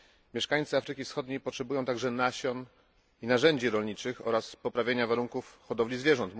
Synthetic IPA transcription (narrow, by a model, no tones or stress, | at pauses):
mʲjɛʂkaɲ̃t̪sɨafɾɘkʲifsxɔd̪ɲejpɔtʂɛbujɔ̃w̃t̪aɡʐɛnaɕɔn | inaʐɛɲd͡ʑiɾɔlɲit͡ʂɘxɔ̰ɾaspɔpɾavʲeɲavaɾuŋkufxɔd̪ɔvlʲizvʲjɛʐɔnt̪